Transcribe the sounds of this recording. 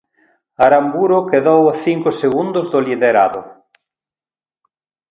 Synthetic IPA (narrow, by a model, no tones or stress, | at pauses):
aɾambuɾʊkeðowaθiŋkʊseɣund̪ʊzðʊliðeɾaðʊ̰